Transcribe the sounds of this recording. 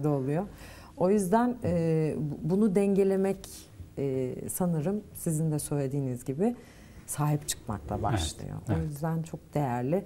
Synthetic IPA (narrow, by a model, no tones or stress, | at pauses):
d̪ɛolˠujo | o̞jyzd̪ænɛːbunud̪ɛɲɟe̞lʲe̞mɛcː | sanɯɾɯmsizind̪ɛsø̞jlʲe̞d̪iːnizɟibɪ | saːɦipt͡ʃʰɯ̥kma̰klˠa̰ba̰ʃlˠɯ̰jo̰ʔojyzd̪ænt͡ʃʰo̞k̚d̪̥e̞jæɾlʲɪ